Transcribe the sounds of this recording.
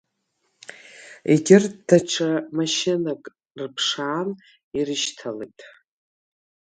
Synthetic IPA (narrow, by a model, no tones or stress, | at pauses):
ḛɡʲɪrd̥aʈ͡ʂʰamaʃɪnakʼ | rpʰʂaːn | irɨʃtʰalḛjtʼ